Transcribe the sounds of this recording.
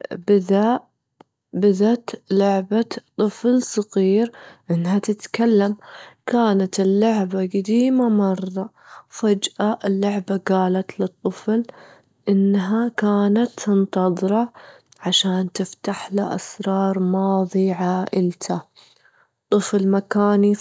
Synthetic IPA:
bɪða | bɪðat̪lʊʕbat̪ˤːɨflsˤɑɣiːɾʔɪnːɦat̪ɪt̪kalːamkaːnat̪ɪlːʊʕbaɡad̪iːmamɑrˤːɑ | fad͡ʒʔaʔɪlːʊʕbaɡaːlat̪lɨt̪ˤːɨfl | ʔɪnːɦakaːnat̪ːɨnt̪ɑðˤɾɑ | ʕaʃaːnt̪ɪft̪aħlaʔa̰sɾˤɑːɾˤmɑːðˤiʕaːʔɪlt̪ʰa | t̪ˤːɨflmakaːni

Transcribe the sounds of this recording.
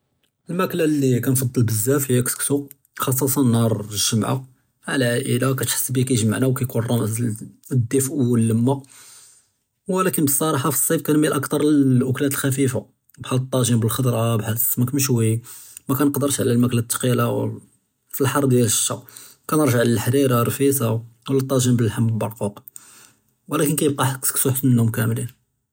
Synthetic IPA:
əlmæklalːikænfɑd̪ˤːəlbəzːæfhəjːæksksu | xɑs̬ˤːɑsɑnɑɾˤʒəmʕa̰ | ʕalæʕaʔəlakæt̪ħə̥sːbikæjʒəma̰ʕnæwkæjkunrˤɑmz | d̪ːifʔuwəlːəmːa | wlækənəsˤɑɾˤɑħɑfi̥sˤːibkænmælʔɑkt̪ɑɾˤʔʊklæt̪əlxæfifa | bħælt̪ˤːɑʒimbəlxɑd̪ˤɾˤɑbħəsmækmʃwi | mækænqd̪əɾʃʕlælmæklæt̪ːqilaw | filħɑɾˤd̪jæləʃːɑ | kænəɾˤʒaʕləlħɾiɾɑɾˤfisawlːæt̪ˤːɑʒimbəlħamːəlbɑɾˤquq | wəlækənkæjəb̚qɑħksə̥ksuħt̪ənːumkæmlin

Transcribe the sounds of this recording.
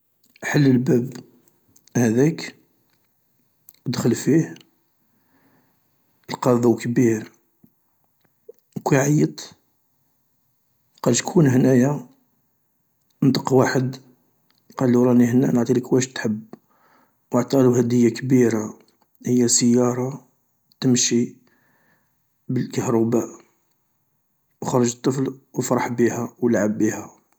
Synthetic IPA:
ħəlːəlbæb | hæd̪æk | d̪xəlfih | əlqɑðˤwkbiɾ | kwiʕajət̪ˤ | qɑlʃkʰunhənæja | nt̪ˤəqwaħəd̪ | qɑlːiɾˤɑnihənːæ̰nəʕt̪ˤiləkwæʃt̪ħəb | wəʕt̪ɑqluhæd̪əjːakbiɾa | həjːæsəjːɑɾˤɑ | t̪əmʃi | bəlkæhɾɑbæʔ | wxɑɾˤɑʒət̪ˤːəflwəfɾˤɑħbihæwəlʕabːihæ

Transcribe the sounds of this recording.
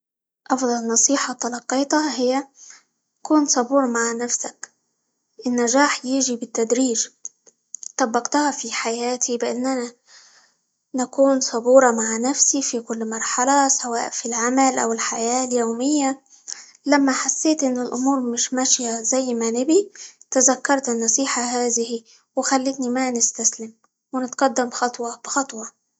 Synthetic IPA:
ʔɑfd̪ˤɑlnɑsˤiːħɑt̪ɑlɑqːiːt̪ɑhɪjːa | takuːnsˤɑbuːɾˤmaʕnafsak | ʔɪnːaʒaːħjɪːʒibɪt̪ːad̪ɾiːʒ | t̪ˤɑbːɑqt̪ʊhafiħajaːt̪ʰibɪʔanːana | nakuːnsˤɑbuːɾˤɑmaʕnafsifikʊlːmɑɾˤħɑlasawaːʔfilʕamalʔa̰wɪlħajaːljoːmɪjːa | lamːaħasːeːt̪ʔɪnːɪlʔʊmuːɾˤmɪʃmaʃjazajːmanɪbit̪azakːɑɾˤt̪ɪnːɑsˤiːħaɦaːðɪhi | wɪxalːɪt̪nimanɪst̪aslɪm | wɪnɪt̪ɡ̥ɑd̪ːamxɑt̪ˤwɑb̥ɪxɑt̪ˤwɑ

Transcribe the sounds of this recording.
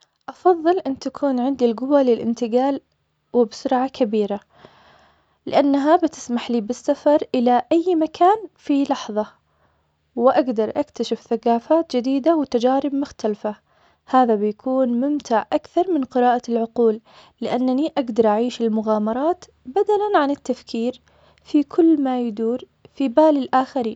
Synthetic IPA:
ʔɑfɑðˤːɨlʔɪnːt̪akʰuːnʕɪnd̪ilɡʊwalɪlʔɪ̰nt̪ɪɡaːl | wɪbsʊɾʕakʰabiːɾa | lɪʔanːaɦabɪt̪ɪ̥smaħliːbɪsːafɑɾˤʔɪlaʔajːmakʰaːnfilɑħðˤɑ | wɪʔaɡd̪ɑɾˤʔakt̪aʃɪfθaqɑːfaːt̪d͡ʒɪd̪iːd̪awɪt̪ad͡ʒaːɾɪbmʊxt̪alfa | haːðabɪjakʰuːnmʊmt̪aʕʔakθɑɾˤmɪnqɪɾɑːʔalʕʊquːlː | ɪʔanːaniʔaɡd̪ɑɾˤʔaʕiːʃɪlmʊɣaːmɑɾˤɑːt̪ | bad̪alanʕanɪt̪ːafkʰiːɾ | fikʰʊlːmajd̪uːɾ | fibaːlɪlʔaːxaɾiːn

